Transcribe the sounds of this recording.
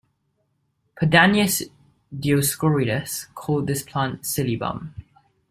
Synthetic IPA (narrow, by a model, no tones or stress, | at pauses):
pʰədaniəs | dioskɔɹiɾəskʰɔːlˠd̪̚ðɪspʰl̥ãntsɪlibʌ̰̃m